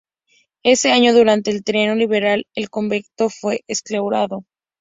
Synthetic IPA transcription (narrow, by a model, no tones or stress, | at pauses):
e̞se̞aɲo̞ðuɾant̪e̞ːlt̪ɾe̞noliβ̞e̞ɾalelkombekt̪ofwe̞ʔesklawɾaðo̞